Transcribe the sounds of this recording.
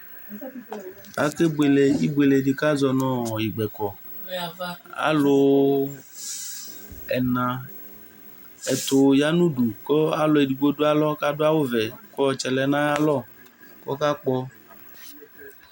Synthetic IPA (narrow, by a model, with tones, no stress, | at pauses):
a˨ke˦ɡ͡be˨le˨i˦ɡ͡be˨le˨di˨ka˦zɔ˧˨nɔ̃˦ɔ˨ji˨ɡ͡bɛ˨kɔ˨ | a̰˨˦lo˨ | ɛ˨nã˨ | ɛ˨t̪o˨ja˦nũ˦du˨kɔ˦a˦lɔ˨e˨di˨ɡ͡bo˦do˦a˦lɔ˦ka˦do˦a˦wo˦vɛ˨kɔ˦ɔ˨t͡ʃɛ˨lɛ˨˦nã˦ja˦lɔ˦˨ | kɔ̰˦ka˦k͡pɔ˦